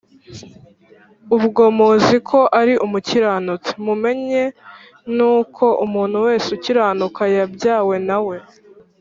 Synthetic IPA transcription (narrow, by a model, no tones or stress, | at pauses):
uβɡo̞moːzikʰo̞ʔaɾiʔumuciɾaːnut͡semume̞ɲe̞ | nuːkʰo̞ʔumuːnhuwe̞ːsuciɾaːnukajabɟaːwe̞nawe̞